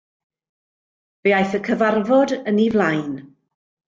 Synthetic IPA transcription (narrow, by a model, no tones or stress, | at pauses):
veajθəkʰəvarvɔdənivlˠajn